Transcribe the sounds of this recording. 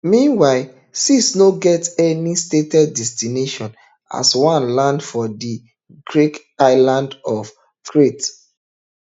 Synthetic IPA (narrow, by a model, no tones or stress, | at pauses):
mĩnwaɪ | sisnoɡɛtɛnistetɛdːɛstineʃɔ̃n | a̰swãnlãndfɔdi | ɡɹik | aɪlãndɔf | tɹet